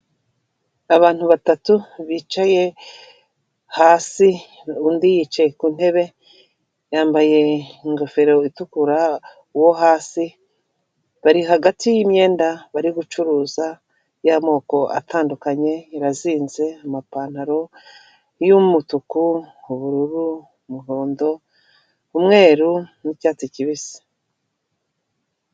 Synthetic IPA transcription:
aβaːn̥huβatatuβit͡ʃaje̞ | haːsi | undijit͡ʃe̞kun̥he̞βe̞ | jaːmbaje̞ŋɡo̞fe̞ɾo̞itukuɾa | uwo̞ɦaːsi | βaɾiɦaɡatijimɲe̞ːndaβaɾiɡut͡ʃuɾuːza | jamo̞ːko̞ʔa̰tʰaːndukaɲe̞iɾaziːnze̞amapaːn̥haɾo̞ | jumutukuuβuɾuɾu | muɦo̞ːndo̞ | umŋe̞ːɾunicaːt͡siciβisi̥

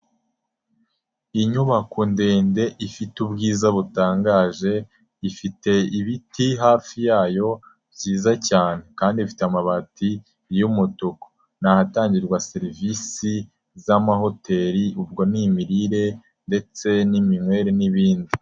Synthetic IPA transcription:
iɲuβakundeːnde̞ʔifitubɡiːzaβutaːŋɡaːʒe̞ | ifite̞iβitiɦaːfijaːjo̞ | bɟiːzacaːne̞kaːndifi̥teamaβati | jumutuko̥ | nahataːɲɟiɾɡwase̞ɾivisi | zamaɦo̞te̞ɾiub̚ɡo̞nimiɾiɾe̞ | nde̞t͡se̞nimimwe̞ːɾeniβiːndi

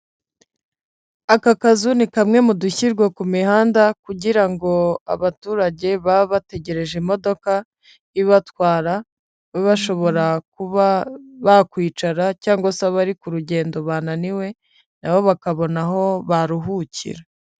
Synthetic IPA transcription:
akakazunikamŋe̞muduçiɾɡwakumihaːndakuɟiɾaŋɡo̞a̰βatuːɾaɟe̞βaβate̞ɟe̞ɾe̞ʒimo̞do̞ka | iβatkwaːɾa | weβaʃo̞βo̞ɾakuβaβakwiːt͡ʃaɾacaːŋɡosaβaɾikuɾuɟe̞ːndo̞βaːnaniwe̞ | naβo̞βakaβo̞naɦo̞βaɾuɦucḭɾa

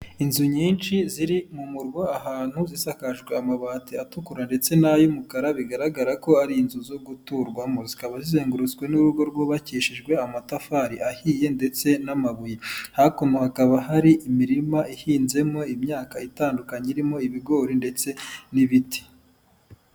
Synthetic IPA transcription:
inzuɲiːnt͡ʃiziɾimumuɾɡoaɦaːn̥huzisakaʒɡwe̞amaβatiatukuɾande̞t͡se̞najumukaɾaβiɡaɾaɡaɾako̞aɾiinzuzo̞ɡutuɾɡwamo̞zikaβazizeːŋɡuɾut͡sɡwe̞nuɾuɡo̞ɾɡwo̞βaciːʃiʒɡwe̞amatafaːɾiʔahiːje̞nde̞t͡se̞namaβujihakomohakaβaɦaɾiʔimiɾimaʔihiːnze̞mo̞imɲaːkaitaːndukaɲeiɾimo̞iβiɡo̞ːɾinde̞t͡se̞niβiti̥

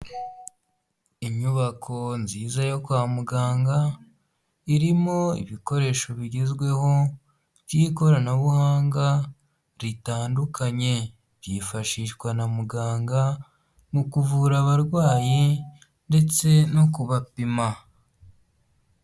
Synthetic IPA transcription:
iɲuβakʰo̞nziːzajo̞kwaːmuɡaːŋɡa | iɾimo̞ḭβiko̞ɾe̞ːʃo̞βiɟezɡwe̞ho̞ | βjiko̞ɾanaβuhaːŋɡa | ɾitaːndukʰaɲe̞ | βjifaʃiʃkwanamuɡaːŋɡa | mukuvuːɾaβaɾɡwaːji | nde̞t͡se̞no̞kuβapima

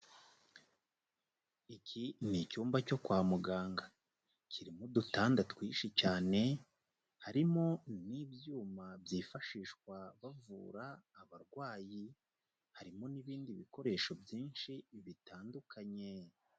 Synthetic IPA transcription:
icʰinicuːmbaco̞kwaːmuɡaːŋɡa | cʰiɾimudutaːndatwiːʃicaːne̞ | haɾimo̞niːbjuːmabjiːfaʃiːʃkwaβavṵːɾaːβaɾɡwaːji | haɾimo̞niβiːndiβiko̞ɾe̞ːʃo̞bjiːnʃiβitaːndukʰaɲe̞

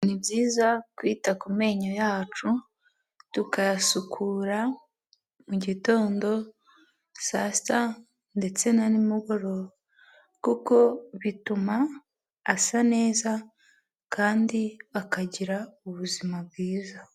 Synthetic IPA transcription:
nibɟiːzakwiːtakume̞ːɲojaːt͡ʃu | tukajasukʰuːɾa | muɟito̞ːndo̞ | sasta | nde̞t͡se̞nanimuɡo̞ɾo̞ | kuko̞βitumaː | sane̞ːza | kaːndiβakaɟiɾauβuzimab̚ɡiːza

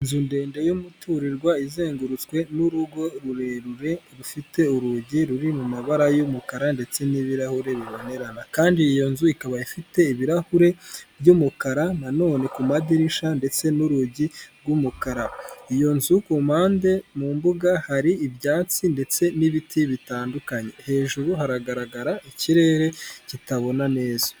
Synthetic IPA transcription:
nzunde̞ːnde̞jumutʰuɾiɾɡwaizeːŋɡuɾut͡skwe̞nuɾuɡo̞ɾuɾeɾuɾe̞ɾufite̞uɾuɟiɾuɾimumaβaɾajumukaɾande̞t͡se̞niβiɾahuɾe̞βiβo̞ne̞ɾanakaːndiːjo̞nzuikaβaifite̞iβiɾahuɾe̞bɟumukaɾanano̞ːne̞kumadiɾiʃande̞t͡se̞nuɾuɟiɾɡumukaɾaijo̞nzukumaːnde̞muːmbuɡahaɾiibjaːt͡sinde̞t͡se̞niβitʰiβitaːndukaɲe̞he̞ːʒuɾuɦaɾaɡaɾaɡaɾaiciɾe̞ːɾe̞citaβo̞nane̞ːzḁ

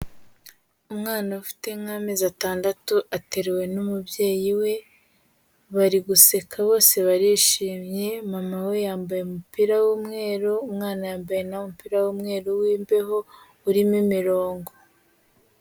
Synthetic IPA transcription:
umŋaːnaufi̥te̞ŋŋame̞ːzataːndatuʔate̞ɾewe̞numubje̞ːjiwe̞ | βaɾiɡuse̞kʰaβo̞ːse̞βaɾiʃiːmɲe̞mamawe̞jaːmbajeumupiɾawumŋe̞ːɾoumŋaːnajaːmbaje̞namupiɾawuːmŋe̞ːɾowiːmbe̞ɦo̞ | uɾimimiɾo̞ːŋɡo̞

